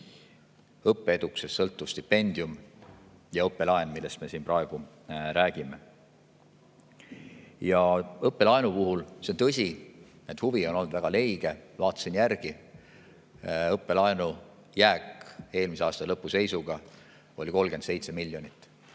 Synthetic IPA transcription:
ɤpːeed̪̥uksesːɤlt̪ːˑust̪ipːe̞nʲd̪̥ium | jɑɤpːe̞lɑenmilːe̞st̪me̞sinpɾɑeɡ̥u | ɾæːɡ̥ime̞ | jɑɤpːˑe̞lɑenupuɦulseont̪ɤsʲi | ned̪̥huvio̞no̞lːd̪væɡ̥ɑle̞jɡ̥e̞vɑːt̪ːˑɑ̥sinjærɡ̥i | ɤpːˑe̞lɑenu | jæːke̞ːlmiseɑːst̪ɑlɤpːˑuse̞jsuɡ̥ɑ | o̞lʲiko̞lɡ̥end̪se̞jt̪se̞milʲːjo̞nit̪ˑː

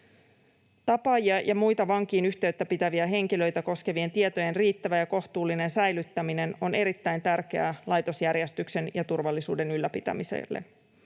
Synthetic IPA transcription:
t̪ɑpɑjiɑjʔɑmujt̪ɑʋɑŋk̟iːnyçt̪e̞yt̪ːæpit̪æʋiæɦe̞ŋk̟ilø̞jt̪æko̞ske̞ʋie̞nt̪iet̪oje̞nriːt̪ːæʋæjɑko̞ht̪uːlːine̞nsæjlyt̪ːæmine̞no̞ne̞ɾit̪ːæjnt̪ærk̟e̞ælɑjt̪o̞sjærjest̪ykse̞njɑt̪urʋɑlːisuːde̞nylːæpit̪æ̰misḛlːḛ

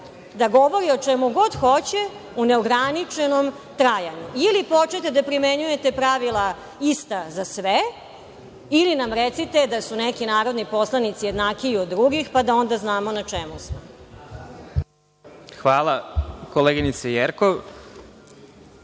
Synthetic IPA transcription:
d̪aɡo̞ʋo̞ɾiot͡ʃɛmuɡo̞d̪xot͡ɕe̞ | une̞oɡɾanit͡ʂeno̞m | t̪ɾajaɲuilipo̞t͡ʃnet̪ed̪apɾimeɲuje̞t̪e̞pɾaʋilˠa | ist̪azasʋe | ilinamɾet̪sit̪e̞d̪asunekinaːɾo̞d̪nipo̞slˠanit̪sije̞d̪nakiːod̪ːɾuɡixpad̪ao̞nd̪aznaːmonat͡ʂemusmo | xʋaːlakoleːɡinit̪sejeɾkoʋ

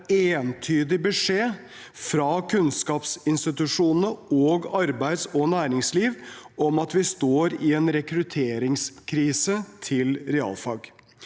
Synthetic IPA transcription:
eːnt̪ʰyːd̪ɪbəʂeː | fɾɑːkʰʉnskɑːpsɪnst̪ɪt̪ʉʂuːnnəɔːɡɑɾbæɪd̪sɔnæːɾɪŋsliːʋɔmɑt̪ʋɪst̪oːɾɪɛnɾɛkɾʉt̪ʰeːɾɪŋskʰɾiːsət̪ʰɪlɾɛɑ̰ːlfɑ̰ːɡ

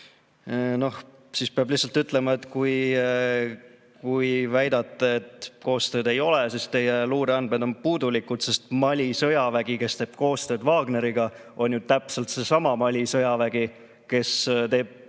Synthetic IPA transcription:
no̞h | siːspeɑb̥lihsɑlt̪yt̪ˑle̞mɑet̪ːˑkuj | kujvæjd̪ɑt̪ˑːeet̪ˑko̞ːst̪øːd̪e̞jo̞lesist̪e̞jeluːɾeɑnd̪med̪̥o̞npuːd̪ulikud̪̥se̞st̪mɑlʲisɤjɑvæɡ̥ike̞st̪eːb̥ko̞ːst̪ø̞ːd̪vɑːɡ̥ne̞ɾiɡ̥ɑ | o̞nʲjut̪æpse̞lt̪se̞sɑmɑmɑlʲisɤjɑvæɡ̥i | ke̞st̪e̞ːb̥̚

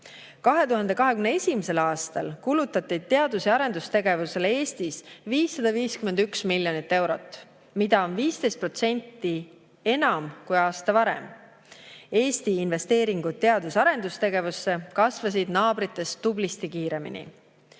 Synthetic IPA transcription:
kɑɦe̞t̪uɦɑnd̪̥e̞kɑɦe̞kymneesʲimese̞lɑːst̪ɑ̰lkulut̪ːˑɑt̪ːˑid̪̥̚t̪ːe̞ɑd̪̥useɑɾe̞nd̪ust̪e̞ɡ̥e̞vuse̞lee̞ːst̪isviːsːɑd̪̥ɑviːskyme̞nd̪yksmilʲjo̞nit̪ːe̞wɾo̞̰t̪ˑː | mid̪̥ɑo̞nviːst̪e̞jst̪̚pro̞t̪se̞nʲt̪ːˑi | e̞nɑmkujɑːst̪ɑvɑɾḛm | e̞ːst̪iːnve̞st̪e̞ːɾiŋɡ̥ud̪̚t̪ːe̞ɑd̪̥usɑɾe̞nd̪̥ust̪e̞ɡe̞vusːe̞kɑsvɑs̬id̪̥nɑːbɾit̪ːˑe̞st̪ːublist̪ikiːɾe̞mḭnḭ

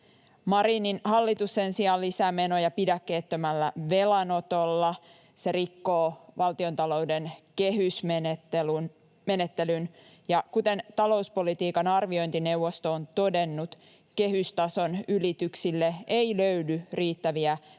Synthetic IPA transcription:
mɑɾininhɑlːit̪usːensiɑlːisæːme̞no̞jɑpidækːe̞ːt̪ːømælːæʋe̞lɑno̞t̪olːɑ | se̞ɾikːo̞ːʋɑlt̪io̞nt̪ɑlo̞wdenkeɦysmnet̪ːelun | me̞ne̞t̪ːe̞lyn | jɑkut̪e̞nt̪ɑlo̞uspo̞lit̪iːkɑnɑrʋiojnt̪ine̞uwʋːo̞st̪oːnt̪o̞de̞nːut̪ | ke̞ɦyst̪ɑso̞nylit̪yksilːeeiløydyriːt̪ːæʋiæ

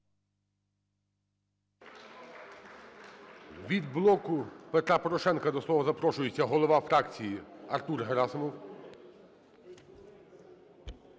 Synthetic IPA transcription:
ʋʲid̪blˠɔkʊpet̪ɾɑpɔɾɔʃɛnkɐd̪ɔslˠɔʋɐzɐpɾɔʃʊjet͡sʲːɐɦɔlˠɔʋɑfɾɑkt͡sʲijiɐrt̪urɦeɾɑsɔmɔw

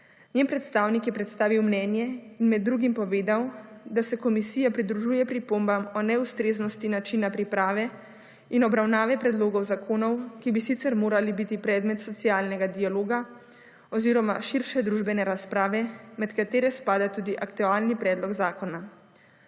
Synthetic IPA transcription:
ɲjempɾɛt̪st̪aːwnikjɛpɾɛt̪st̪aːʋiwmnɛːnjɛinmɛd̪ːɾuːɡimpɔʋeːd̪awd̪asɛkɔmisiːjapɾid̪ɾuʒuːjɛpɾipombamɔnɛust̪ɾeːznɔst̪inat͡ʃinapɾipɾaːʋɛ | inɔbɾawnaːʋɛpɾɛd̪loːɡɔwzakʰoːnɔwkibisit̪sɛɾmoːɾalibit̪ipɾɛːd̪mɛt̪sɔt̪siaːlnɛɡad̪ialoːɡa | ɔziːɾɔmaʃiɾʃɛd̪ɾuːʒbɛnɛɾaspɾaːʋɛmɛt̪kat̪eːɾɛspaːd̪at̪uːd̪iʔakt̪uaːlnipɾɛːd̪lɔɡzaːkɔna

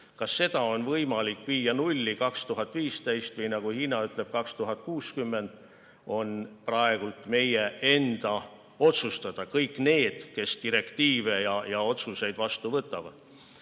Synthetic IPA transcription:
kɑsːe̞d̪̥ɑo̞nvɤjmɑlikviːjːɑnulʲːikɑkst̪uɦɑt̪ːˑviːst̪ejst̪vɤjnɑɡ̥uhiːnɑyt̪ˑle̞b̥̚kɑkst̪uɦɑt̪̚ˑkuːskymːe̞nd̪̥ | o̞nprɑe̞ɡ̥ult̪ˑme̞jee̞nd̪̥ɑ | o̞t̪sust̪ɑd̪̥ɑkɤjkːˑne̞ːd̪̥ke̞st̪iɾe̞kt̪iːve̞jɑjɑo̞t̪suse̞jd̪̥vɑst̪uvɤt̪ːˑɑvɑ̰d̪̥

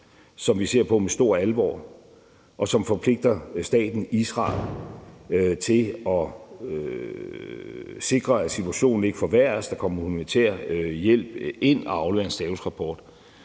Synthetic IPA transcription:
sɒ̽mʋise̝ɐ̰pʰɒ̽mesd̥o̝ɐ̰ælʋɒ̰ː | ʔɒ̽sɒ̽mfɒ̽pʰle̝ɡ̥̚d̥ɐsd̥ɛ̰ːd̥n̩isʁɑ̰̈ːl | t͡sʰe̝ɒ̽ | se̝ɡ̥ʁɐæ̥sit͡sʰuæɕo̝̰ːn̩e̝ɡ̥əfɒʋæɐ̰sd̥ɑ̈kʰɒ̽m̰ɐhumænit͡sʰḛːɐ̰jel̰b̥e̝n̰ɒɑ̈ʊleeɐnsd̥ɛːusʁɑ̈pʰɒːd̥

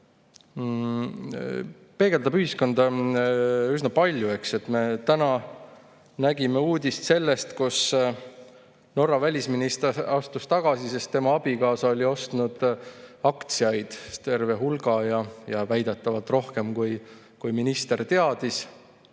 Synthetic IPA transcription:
pe̞ːɡ̥e̞ld̪ɑb̥yhisko̞nd̪ɑ | ysnɑpɑlʲjue̞kse̞t̪ˑme̞t̪ænɑ | næɡ̥ime̞uːd̪̥ʲist̪se̞lːe̞st̪kus | no̞rːɑvælʲisminist̪ɑst̪ust̪ɑɡ̥ɑsise̞st̪ːe̞mɑɑb̥ikɑːsɑo̞lʲio̞st̪nud̪̥ɑkt̪siɑjd̪̥t̪e̞rve̞ɦulɡ̥ɑjɑjɑvæjd̪̥et̪ːˑɑvɑlt̪ˑro̞hke̞mkuj | kujminist̪e̞rt̪e̞ɑd̪̥is

